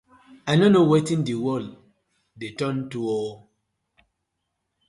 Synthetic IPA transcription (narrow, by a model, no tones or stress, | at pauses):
anonowetĩndiwɔl | detɔ̃ntuɔ